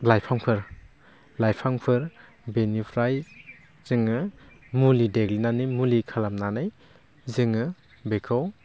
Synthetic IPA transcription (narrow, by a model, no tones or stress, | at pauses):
lajpʰaŋpʰɯɾ | lajpʰaŋpʰɯɾ | benipʰɾaj | z̥ɯŋɯ | mulideɡlinanimulikʰalamnanɯj | zɯŋɯ | bekʰɯw